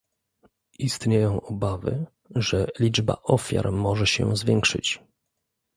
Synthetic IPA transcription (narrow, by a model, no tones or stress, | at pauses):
ist̪ɲejɔ̃w̃ʔɔbavɘ̰ | ʐɛlʲid͡ʐba̰ʔɔfʲja̰ɾmɔʐɛɕɛ̰zvʲjɛŋkʂɘ̰t͡ɕ